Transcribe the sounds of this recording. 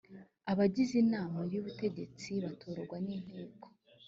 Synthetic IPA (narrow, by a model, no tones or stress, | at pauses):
aβaɟizinaːmaiɾijoβute̞ɟe̞t͡siβatʰo̞ːɾoɾɡwanin̥iːko̥